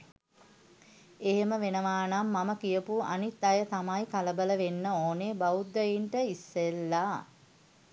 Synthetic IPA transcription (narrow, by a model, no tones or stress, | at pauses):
eɦeməʋenəʋaːnamːaməkijəpua̰nit̪ːajət̪amajkaləbələʋenːəoːnebaud̪ːəjiɳʈəisːelːa